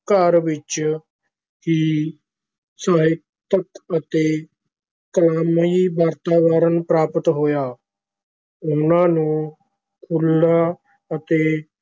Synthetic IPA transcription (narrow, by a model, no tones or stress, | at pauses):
kaːɾʋɪt͡ʃ | ki | saːɦɪk̚ | t̪əkət̪eː | kəlaːmiːbaːɾt̪aːʋəɾənpɾaːpət̪ɦoːjaː | ʊnãːnũː | kʰʊlːaː | ət̪eː